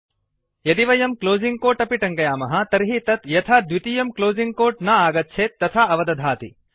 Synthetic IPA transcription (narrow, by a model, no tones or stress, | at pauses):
jɐd̪iʋɐjɐmkloːziŋɡ̚koːʈɐpiʈɐŋkɐjaːmɐɦɐ̆t̪ɐɾɦit̪ɐt̪jɐt̪ʰaːd̪ʋit̪ijɐmkloːziŋɡ̚koːʈnɐaːɡɐt̪̚t͡ʃʰeːt̪ːɐt̪ʰaɐʋɐd̪ɐd̪ʱaːt̪i